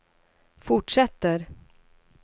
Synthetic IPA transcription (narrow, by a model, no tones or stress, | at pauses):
fʊʈʂɛt̪ːəɾ